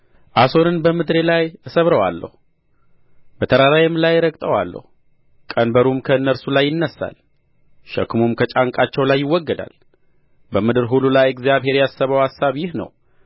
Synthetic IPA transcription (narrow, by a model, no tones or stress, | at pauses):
ʔasonɨnbəmɨd̪ɾe̞lajɨsəβɾəwa̰lːə̰hu | bət̪ʰəɾaɾajɛmlajːɾəkʼt̪ʼəwa̰lːə̰hu | kʼənbəɾumkʰəɨnːəɾsulajːɪnːəsːa̰l | ʃɛ̰kmumkʰət͡ʃʼaŋkʼat͡ʃːɛwlajːɪwːɔɡːəd̪a̰l | bəmɨd̪ɨɾɦulːulajɛɡzijaβɦe̞ɾjasːəβəwhasːaβjɪhnə̰w